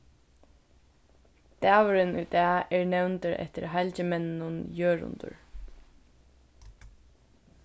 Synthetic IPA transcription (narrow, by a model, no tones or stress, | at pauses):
t̪æːʋʊɾɪnujd̪æːɛɹnɛwnt̪ɪɾɛ̰ht̪ɪ̰ɾɦalt͡ɕɪmɛnnʊnjøːɹʊ̰nt̪ʊ̰ɹ